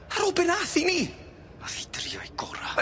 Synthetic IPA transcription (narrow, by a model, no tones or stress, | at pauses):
aɾɔbɛnaθiniː | mafɪdriɔjɡɔɾa̰